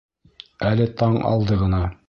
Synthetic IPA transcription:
ælɘt̪ɑɴɑ̰lˠd̪ɤʁɤ̆nɑ

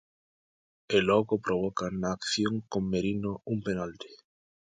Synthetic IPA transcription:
eloɣopɾoβokanaːkθjoŋkomːeɾinoumpenalt̪e̥

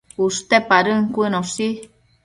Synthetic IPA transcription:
ust̪epaɾɨŋkʷɨnõsi

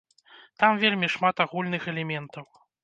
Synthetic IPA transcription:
t̪amvʲelʲmʲiʂmat̪aɣulʲnɨxɛlʲɛmʲɛnt̪ɐw

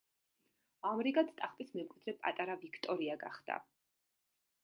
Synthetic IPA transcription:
amɾiɡat̪st̪ʼaχpʼismɛmkʼwid̪̥ɾɛpʼa̰t̪ʼaɾavikʰt̪ʼɔɾiaɡa̰χd̪̥a̰

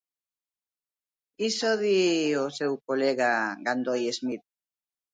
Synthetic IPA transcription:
isoðiosewkoleɣaɡand̪ojezmit̪

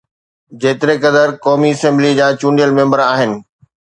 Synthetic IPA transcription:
d͡ʑeːt̪ɪɾekɐd̪əɾkɔːmiɐsɛ̃mblid͡ʑaːt͡ɕũːɳɖijəlmẽːmbəɾaːɦɪnɪ̆

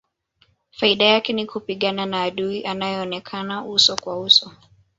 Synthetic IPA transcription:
faiɗajakɛnikupiɠananaːɗuiʔanajɛɔnɛkʰanausɔkwausɔ

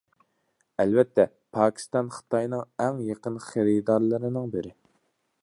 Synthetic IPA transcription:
ɛlvɛt̪ʰːɛ | pʰɑːkʲʰi̥st̪ɑnχə̥t̪ʰɑjnɨŋɛŋjeqənχeɾid̪ɑɾlˠɨɾɨnɨŋbɪɾɪ

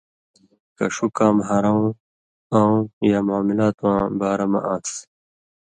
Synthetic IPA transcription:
kɐ̰ʂukaːmɦaɾaũ | ãːũjaːmaːmilaːt̪wãːbaːɾɐmɐ̰ʔãːks

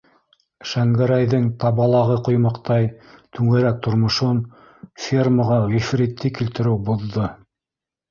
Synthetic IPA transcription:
ʃæŋɡæɾæjðɘŋt̪ɑβɑlˠɑʁɤqŏjmɑqt̪ɑjt̪ʰʉŋɘ̆ɾæk̚t̪ʰŏɾmŏʃon | fʲirməʁɑʁifrit̪ːɘkilt̪ɘ̆ɾɘwbuðːɤ

